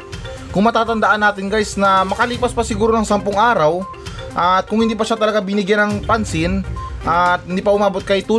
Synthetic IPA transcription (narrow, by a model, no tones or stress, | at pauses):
kʊŋmɐt̪aːt̪ɐnd̪ɐʔanːaːt̪ɪŋɡajsnɐmɐkɐliːpɐspɐsɪɡuːɾonɐŋsampʊŋʔaːɾɐw | ʔɐt̪̚kʊŋhɪnd̪iːp̬ɐʃat̪ɐlɐɡabɪnɪɡjanɐŋpansɪnʔɐt̪hɪnd̪iːpɐʔʊmaːbot̪̚kɐjt̪uː